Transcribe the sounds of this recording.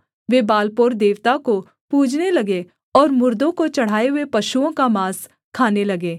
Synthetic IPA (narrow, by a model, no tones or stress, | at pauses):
ʋebaːlpoːɾd̪eːʋt̪ako | puːd͡ʒnelɐɡe | ɔːɾmʊɾd̪õkot͡ʃɐɽ̤aːeɦʊepɐʃuõkamaːs | kʰaːnelɐɡeː